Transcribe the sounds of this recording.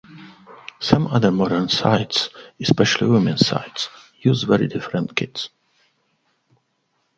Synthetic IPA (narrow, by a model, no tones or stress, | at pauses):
sʌ̃mʌðə˞mɔɾə˞nsa̰ɪtsɨspɛʃəl̩ˠḭwɪmɨ̃nsa̰ɪts | juːzvɛɹḭdɪfɹə̃ntkʰɪts